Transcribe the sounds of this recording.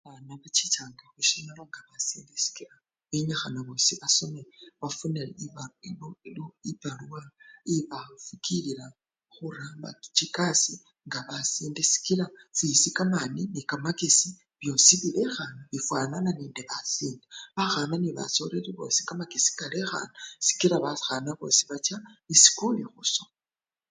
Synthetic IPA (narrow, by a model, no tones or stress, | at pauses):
βanaβat͡ʃitʰaːŋɡaxuʃinalaŋɡaβasiːndesi̥kiɾa | βeɲaxanaβo̞siβaso̞meβafuneiβailoiloipaluwaiβafukʰiliɾa | xuɾamba̰tu̥t͡ʃikasi | ŋɡaβasiːndesi̥kilasisikamaninikamakesi | βjo̞ːsiβilexanaβifwaːnananiːndeβasiːndeβaxananiβa̰so̞ɾeɾiβo̞ːsikamakesi̥kalexa̰nasi̥kiɾaβaxanaβo̞̰ːsiβat͡ʃaβisi̥kulixuso